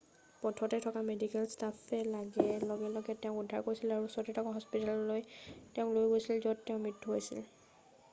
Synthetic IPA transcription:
pɔtʰɔtɛtʰɔkamedikɛlstapɛlaɡɛlɔɡɛlɔɡɛtɛʊ̃kudʱːa̰ɹkoɹisilaɹusɔtitʰɔkaɦɔspitalɔlojtɛʊ̃klojɡojsilzɔdtɛʊ̃mitʰːuɦojsḭl

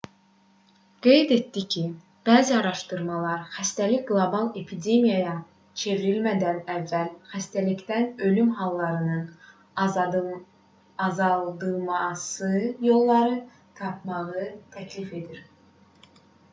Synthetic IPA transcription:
ɡ̥e̞jd̪e̞t̪d̪icʰi | b̥æːziɑɾɑʃt̪ɯɾmɑlˠɑɾxæst̪æliɡlˠobɑlˠe̞pʰid̪e̞mijɑjɑ | t͡ʃʰe̞viɾilmæd̪ænævːælxæst̪ælicd̪ænø̞lymɦɑlˠːɑɾɯnɯn | ɑzɑlˠd̪ɯmɑsɯjo̞lˠːɑɾɯ | t̪ʰɑp̚ʰmɑʁɯt̪ʰæcʰlife̞d̪iɾ

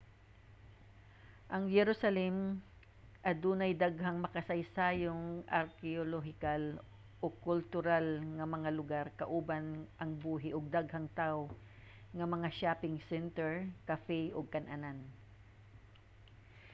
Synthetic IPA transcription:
ʔɐŋjɛɾosɐlɛm | ʔɐd̪uːnɐjd̪aɡɦaŋmɐkɐsɐjsaːjoŋʔɐɾkɛoloɦɪkal | ʔokʊlt̪ʊɾalŋɐmɐŋalʊɡaɾkɐʔuːbanʔɐŋbuːɦɪʔoɡ̚d̪aɡ̚hɐŋt̪aw | ŋɐmɐŋaʃaːpɪŋsɛnt̪ɛɹkɐfɛjʔoɡ̚kɐnʔanan

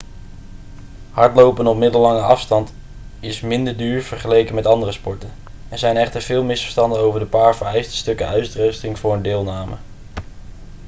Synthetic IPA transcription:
hɑɹtlowpənɔpmɪdəlːɑŋəʔɑfstɑnt | ɪsmɪndəɹdyːɹv̥əɹχəlejkənmɛtɑndərəspɔɹtən | ɛɹzɛjnɛχtəɹvɪːlˠmɪsfə̥ɹstɑndənowvəɹdəpaːɹvəɹɛjstə̥stɵkəœɥtdrœɥstɪŋv̥ʊːɹəndɪːlˠnaːmə

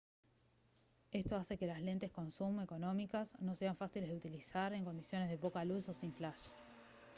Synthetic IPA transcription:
e̞st̪o̞ase̞ke̞lasle̞nt̪e̞sko̞nsumeko̞no̞mikasno̞se̞aɱfasileðeut̪ilisaɾe̞ŋko̞nd̪isjo̞ne̞zð̞e̞po̞kaluso̞siɱflaʃ

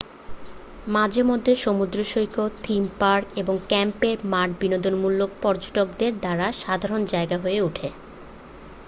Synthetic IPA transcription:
mad͡ʑeɾmod̪ʱːeʃomud̪ɾoʃojkot̪ʰimpaɾkeboŋkɛmpeɾmaʈbinod̪onmulːok̚pɔɾd͡ʑoʈok̚d̪eɾd̪aɾaʃad̪ʱaɾond͡ʑaeɡaɦoeuʈʰe

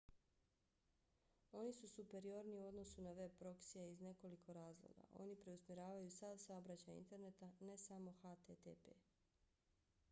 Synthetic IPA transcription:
o̞nisusupe̞ɾio̞ɾniuo̞d̪no̞sunaʋe̞b̚pɾo̞ksiaizne̞ko̞likʰo̞ɾaːzlˠo̰ɡa̰ʔo̞̰nipɾe̞usmʲeɾaːʋajusad̪saobɾat͡ɕajḭnt̪e̞ɾne̞t̪ane̞samo̞xat̪et̪epḛ

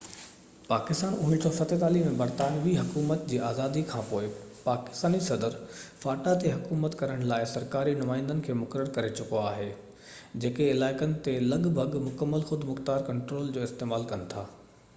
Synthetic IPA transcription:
paːkɪst̪aːnʊɦɪ̃ntʰoːfɐt̪et̪aːlimẽbɐɾt̪aːnʋiɦɐkuːmət̪d͡ʑiːaːzaːd̪ikʰãːpoːɪpaːkɪ̥st̪aːnisɐd̪əɾfaːʈat̪eɦɐkuːmət̪kɐɾəɽ̃laːɪsɐɾkaːɾinʊmaːɪ̃nd̪ənɪ̆kʰeːmʊkəɾəɾkɐɾet͡ɕʊkoaːɦe | d͡ʑeːkeɪlaːɪkənɪ̆t̪elɐɠbʱɐɡmʊkəmːəlxʊd̪ʱmʊxt̪aːɾkɐ̃ɳʈɾoːld͡ʑoːɪst̪eːmaːlkɐnɪ̆t̪ʰaː

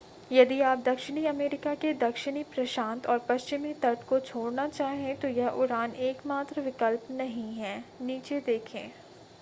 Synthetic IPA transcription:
jɐd̪iaːp̚d̪ɐkʃɪɽ̃iɐmeːɾɪkaked̪ɐkʃɪɽ̃ipɾɐʃãːnt̪ɔːɾpɐst͡ʃɪmit̪ɐʈkot͡ʃʰoːɽnat͡ʃaːɦẽt̪ojɛɦʔʊɾaːneːkmaːt̪ɾʋɪkəlpnɐɦĩɦɛːniːt͡ʃed̪eːkʰẽː

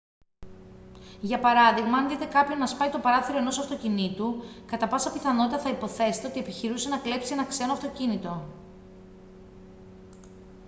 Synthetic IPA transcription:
ʝɐpɐɾɐðiɣmɐːnðit̪e̞kɐpço̞nːɐspɐit̪o̞pɐɾɐθiɾo̞e̞no̞sɐft̪o̞cinit̪ukɐt̪ɐpɐsɐpiθɐno̞t̪it̪ɐθɐipo̞θe̞se̥t̪e̞ot̪ie̞piçiɾuse̞nɐkle̞psie̞nɐkse̞noɐft̪o̞cinit̪o̞

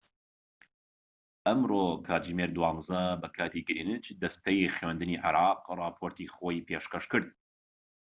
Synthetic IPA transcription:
ʔɐmrokʰaːd͡ʒimeːɾd̪wɑːmzɐbɐkʰaːt̪iɡɨɾiːnɨt͡ʃd̪ɐst̪ɐjiχwend̪ɨniːʕɪ̰ɾɑːqrɑːpʰoːɾt̪iχoːjpʰeːʃkɐʃkɨɾd̪̚

